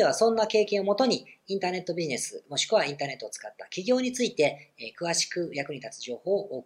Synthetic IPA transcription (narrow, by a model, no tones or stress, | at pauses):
eβasõ̞nːake̞ːkẽo̞mo̞t̪o̞ɲ̟iĩnt̪aːne̞t̪ːo̞bʲiʑine̞sɨ̰mo̞ɕi̥kɯβaĩnt̪aːne̞t̪ːoːt͡sɨ̥kat̪ːakʲiɡʲo̞ːɲ̟it͡sɨit̪e̞kɯ̟βaɕi̥kɯ̟jakɯ̟ɲ̟it̪at͡sɨ̥ʑo̞ːho̞ːʔoːk